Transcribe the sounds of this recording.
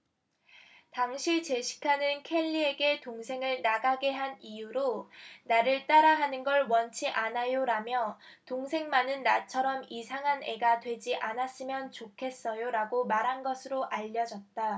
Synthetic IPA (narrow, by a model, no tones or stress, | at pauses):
taŋɕʰit͡ɕe̞ɕʰi̥kʰanɯnkʰe̞ʎːie̞ɡe̞toŋsʰe̞ŋɯɭnaɡaɡe̞ɦanijuɾonaɾɯɭt͈aɾaɦanɯnɡʌɭwʌnt͡ɕʰiʔanajoɾamjʌ | toŋsʰe̞ŋmanɯnːat͡ɕʰʌɾʌmisʰaŋɦane̞ɡatwe̞d͡ʑiʔanas͈ɯmjʌnt͡ɕokʰe̞s͈ʌjoɾaɡomaɾɦanɡʌsʰɯɾoʔaʎːʌd͡ʑʌt̚t͈a